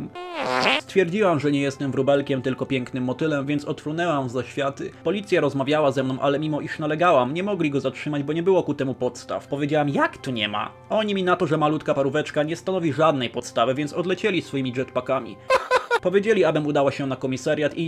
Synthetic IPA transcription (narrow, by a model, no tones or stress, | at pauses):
st̪fʲjɛɾd͡ʑiwamʐɛɲɛjɛst̪ɛmvɾubɛlkʲɛmt̪ɘlkɔpʲjɛŋknɘmːɔt̪ɘlɛmvʲjɛnt̪sɔt̪ɾunɛwamzaɕfʲjat̪ɘ̰pɔlʲit̪sʲjaɾɔzmavʲjawazɛmnɔ̃w̃ʔalɛmʲimɔʔiʂnalɛɡawamɲɛmɔɡlʲiɡɔzatʂɘmad͡ʑbɔɲɛbɘwɔkut̪ɛmupɔt̪st̪a̰fpɔvʲjed͡ʑawamjakt̪uɲɛma̰ | ɔɲimʲinat̪ɔʐɛmalut̪kapaɾuvɛt͡ʂkaɲɛst̪anɔvʲiʐad̪nɛjpɔt̪st̪avɘvʲjɛntsɔd̪lɛt͡ɕɛlʲisfɔjimʲiʐɛt̪pakamʲḭpɔvʲjed͡ʑelʲiabɘmud̪awaɕɛnakɔmʲisaɾʲjat̪i